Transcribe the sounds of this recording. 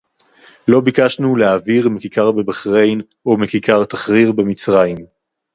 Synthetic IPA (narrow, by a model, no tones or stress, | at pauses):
lo̞bikaʃnuleaviʁmikikaʁbebaχʁe̞jn | omikikʰaʁt̪aχʁiʁbemit͡sʁaim